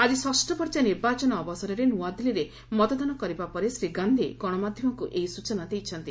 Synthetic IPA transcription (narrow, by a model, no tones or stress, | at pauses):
ad͡ʒiswɔsʈɔpɔɾt͡ʃaniɾbat͡ʃɔnɔːbɔsɔɾɔɾenuwad̪iliɾe | mɔt̪ɔd̪ɔnɔkɔɾibapɔɾesɾiɡand̪ʱiɡɔɽ̃ɔmad̪ʱjɔmɔkuʔejsut͡ʃɔnad̪ejt͡ʃʰɔnt̪i